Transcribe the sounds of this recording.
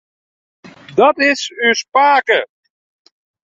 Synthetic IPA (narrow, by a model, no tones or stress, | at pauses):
dɑtɪsyspaːkə